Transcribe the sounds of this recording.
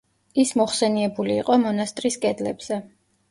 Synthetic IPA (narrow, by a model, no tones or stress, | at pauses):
ismɔχsɛniɛbuliːqʼɔmɔnast̪ʼɾiskʼɛd̪lɛbz̥ɛ